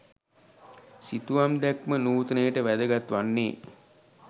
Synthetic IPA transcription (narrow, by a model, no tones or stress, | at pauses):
sit̪uʋamd̪ækmənuːt̪ənəjəʈəʋæd̪əɡat̪ʋanːḛː